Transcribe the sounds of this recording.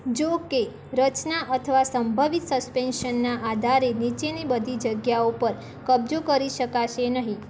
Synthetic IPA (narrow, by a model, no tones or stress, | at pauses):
d͡ʒoke | ɾət͡ʃnaʔət̪ʰəʋasəmbʱəʋit̪səspenʃənːaʔad̪ʱaɾenit͡ʃenibəd̪ʱid͡ʒəɡjaopəɾ | kəbd͡ʒokəɾiʃəkaʃenəɦĩ